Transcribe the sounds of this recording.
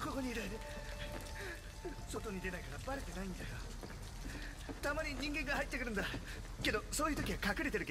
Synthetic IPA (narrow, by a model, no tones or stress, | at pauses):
ko̞ko̞ɲ̟iːɾad̪e | so̞t̪o̞ɲ̟id̪e̞naikaɾabaɾet̪e̞naĩnd̪ajo | t̪amaɲ̟iɲ̟ĩŋɡẽ̞ŋɡahait̪ːekɯ̟ɾɯ̃nd̪a | ke̞d̪o̞so̞ːjɯ̟ːt̪o̞kʲiɡakakɯ̟ɾe̞t̪eɾɯke